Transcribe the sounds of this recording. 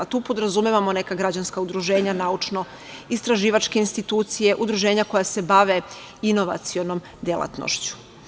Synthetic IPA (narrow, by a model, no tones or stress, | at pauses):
t̪uːpod̪ɾazumeʋamo̞ne̞kaɡɾad͡ʑanskaud̪ɾuʒe̞ːɲanaut͡ʃno̞ | ist̪ɾaʒiːʋat͡ʃke̞inst̪it̪uːt̪sije̞ʔud̪ɾuʒe̞ːɲako̞jase̞baʋe̞ | ino̞ʋa̰t̪sijo̞no̞m | d̪jelˠa̰t̪no̰ʃt͡ɕu̥